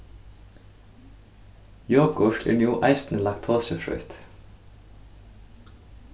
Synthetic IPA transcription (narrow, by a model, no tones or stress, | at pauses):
joːɡɡʊʃʈḛːɳjuːʔæɪst̪n̩lɑk̚t̪ʰoːsəfɹœ̰ʏt̪